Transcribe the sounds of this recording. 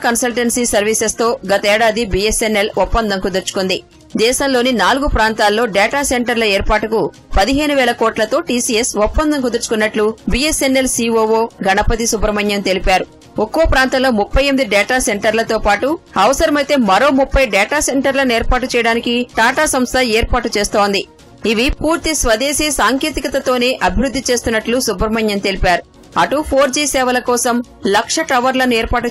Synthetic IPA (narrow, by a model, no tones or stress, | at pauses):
kɐnsɐlʈɐnsiːsɐɾʋisest̪o̞ːɡɐt̪ɐɛːɽaːd̪ibijesenːelɔpːɐnd̪ɐŋkud̪ɐɾt͡ʃu̥kund̪i | d̪ɛːʃɐmlo̞ːninaːluɡupɾaːnt̪aːlːo̞ːɖɛːʈaːseɳʈɐɾlɐeːɾpaːʈuku | pɐd̪iɦe̞ːnuʋɛːɭlɐkoːʈlɐt̪o̞ːʈiːsiːesɔpːɐnd̪ɐŋk̬ud̪ɐɾt͡ʃu̥kunːɐʈlubiːesenːelsiːoːʋoːɡɐnɐpɐt̪isubɾɐmɐɲjɐmt̪e̞lipaːɾu | okːoːpɾaːnt̪ɐmlo̞ːmupʰːɐjemid̪iɖɛːʈaːse̞ɳʈɐɾlɐt̪o̞ːpaːʈuɐʋɐsɐɾɐmɐjt̪e̞ːmɐɾo̞ːmupʰːɐjɖɛːʈaːse̞ɳʈɐɾlɐnueːɾpaːʈ̬ut͡ʃɛːjɐɽaːnikiʈaːʈaːsɐmst̪ʰɐɛːɾpaːʈut͡ʃeːst̪oːnd̪i | iʋipuːɾt̪isʋɐd̪eːsiːsaːŋkeːt̪ikɐt̪ɐt̪o̞ːne̞ːʔɐbʱiɾud̪ʱːit͡ʃe̞ːst̪unːɐʈlusubɾɐmɐɲjɐnt̪e̞lipaːɾu | ɐʈupʰoːɾd͡ʒiːsɛːʋɐlɐkɔːsɐmlɐkʂɐʈɐʋɐɾlɐnuɛːɾpaːʈu